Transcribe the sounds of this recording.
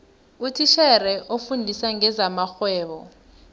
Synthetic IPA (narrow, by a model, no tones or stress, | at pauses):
utʰiʃɛrɛʔofundʱisaŋɛzamaxwɛːɓɔ